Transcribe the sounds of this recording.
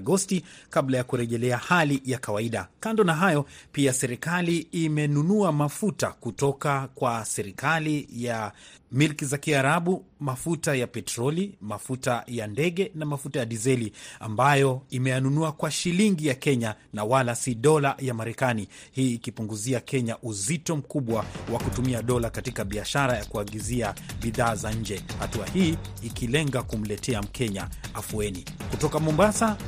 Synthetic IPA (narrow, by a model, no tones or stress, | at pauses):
ɡɔstikablajakuɾɛʄɛlɛahalijakawaiɗa̰kandɔnaɦajɔpiasɛɾikaliːmɛnunuamafutakutɔkakwasɛɾikalijamilkizakiaɾaɓumafutajapɛtɾɔlimafutajandɛɠɛnamafutajaɗizɛlia̰mbajɔimɛjanunuakwaʃiliŋɡijakɛɲanawalasiɗɔlajamaɾɛkanihiːkipuŋɡuziakɛɲaʔuzitɔm̩kuɓwawakutumiaɗɔlakatikaɓiaʃaɾajakuaɠiziaɓiðaːzaɲ̩d͡ʒɛhatuahiːkilɛŋɡakum̩lɛtʰɛam̩kʰɛɲaafuɛni | kutɔkamɔmbasa